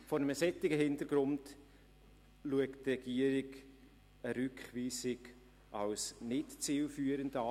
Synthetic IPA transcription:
fɔɾnəməsɛtːɪɡəɦɪntəɾɡ̥ɾʊnd | luəktrɛɡ̥iəɾɪɡ | əɾʏkχviːsɪɡ | ɑwsnɪtt͡siːlfyːəɾəndɑ

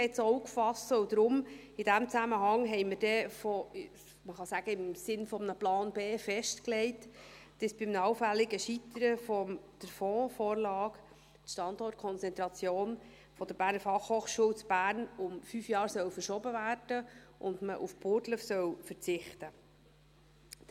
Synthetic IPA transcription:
ɛt͡soukfɑsəʊd̥̪ɾʊm | id̥æmt͡sæməɦɑŋɦɛɪməɾd̥ɛfɔ | məχɑsæɡ̥əɪmsɪnfɔmnəplɑːnbeːfɛʃtklɛɪt | d̥əsb̥ɪmnəɑwfælːɪɡəʃit̪əɾəfɔmd̪̥əɾfɔːfoːɾlɑːk | tʃtɑndɔrt̚kʰɔnt͡sɛnt̪ɾɑt͡sjoːn | fɔd̥əɾb̥æːɾnəɾfɑχhoːχʃuːwt͡sb̥æːɾnʊmfyːfjɑːɾsœwfəɾʃɔbəvæːrd̥əʔʊndməʔufpʊɾtləfsœwfəɾt͡sɪχtə

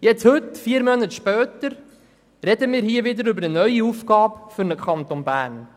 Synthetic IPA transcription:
jɛt͡shɵtfiːəɾmœnətʃpœːt̪əɾ | ɾɛd̪əmiːɾɦiːəʋɪdəɾʏbəɾənœɥiufɡ̥ɑːpfʏɾnəkχɑnt̪onbæːɾn

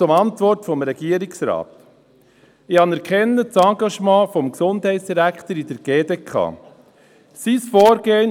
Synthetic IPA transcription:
ʊmɑntʋɔɾtfɔmɾɛɡ̥iəɾɪksɾɑ̰ːt | ɪɑnɛɾkʰɛnːət͡sɑɡɑʃmɑ̃ːfɔmksʊndhɛɪtsd̥iɾæktəɾid̥əɾɡ̥eːdeːkʰɑ̰ː | sisfɔːɾɡeːn

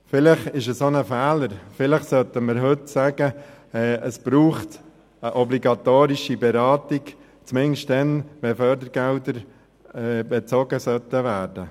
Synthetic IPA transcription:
fɪlɪχɪʃəsonəfæːləɾfɪlɪχsœt̪əməɾɦʏtsæːɡ̥əɛːʔəsb̥ɾuːχt | əʔɔbliɡɑt̪oːɾiʃibɛɾɑːt̪iɡ | t͡smɪnʃtd̥ɛnʋɛfœːɾdəɾɡ̥ɛldəɾ | ɛbɛt͡sɔɡəsœt̪əʋæːɾd̥ə

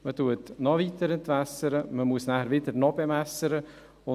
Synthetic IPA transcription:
mətuətnɑvitəɾɛntʋæsəɾəməmuəsnæhəɾvɪdəɾnɔbɛmæsːəɾə | ʊ

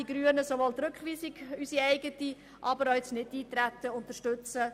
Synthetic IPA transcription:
iɡɾyənəsoʋolt̪ɾʉkχʋiːsiɡysiɛɪɡəti | ʔɑbəɾoɛt͡snɪtːiːt̪ɾæt̪ːəʊnt̪əɾʃtʉt͡sə

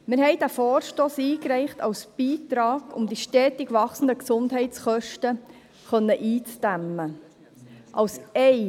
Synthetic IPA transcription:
mɪɾɦɛɪd̥æfɔːɾʃtoːsiːkɾɛɪχtɑwsb̥iːt̪ɾɑːɡ̥ʊ̰md̥̪iʃtɛːt̪ɪɡʋɑχsən̩d̪əksʊnd̪ɦɛɪtt͡sχœʃtə | χœnːəʔiːt͡sd̥æmːə | ʔɑwsɛɪ

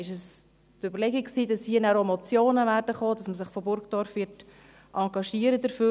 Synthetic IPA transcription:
ɪʃəs | tøbəɾlɛɡikksiːdɑshiːənæːɾomɔt͡sjoːnəvæːɾdəχoːd̥ɑsməsɪχfɔbʊɾɡd̥ɔɾfʋɪt | ʔɑŋɡɑʃiəɾədəɾføː

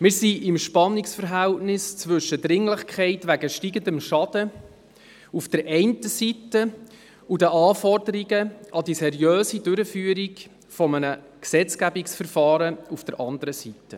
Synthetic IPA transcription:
mɪːɾsiʔɪmʃpɑnːɪksfəɾɦæltnɪst͡sʋʏʃːədɾɪŋləχkʰχɛɪtʋæɡəʃtiːɡəndəmʃɑd̥ə | ufd̥əɾʔɛɪntəsitə | udəʔɑːfɔrdəɾiɡəʔɑd̥isɛɾiøːsidʉɾəfyːɾiɡ | fɔmənə | ksɛt͡skæbiksfəɾfɑːɾəufd̥əɾʔɑndəɾəsitːə

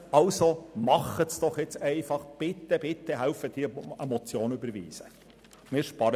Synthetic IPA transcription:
ɑlsomɑχətsd̥ɔχjɛt͡sɛɪfɑχb̥ɪt̪ːəb̥ɪt̪ːəɦælfəd̥̪iːemɔt͡sjoːnybəɾvḭːsə | mɪːɾʃpɑɾə

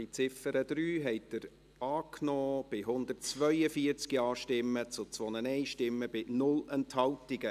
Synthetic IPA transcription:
it͡sɪfəɾəd̥̪ɾyːɦɛɪt̚d̥̪əɾ | ɑːknɔːb̥ɪɦʊnd̪ərtt͡sʋœʏəfiəɾt͡skiɑːʃtɪmːət͡sʊt͡sʋɔnənɛɪʃtɪmːəb̥ɪnʊlɛnthɑltiɡə

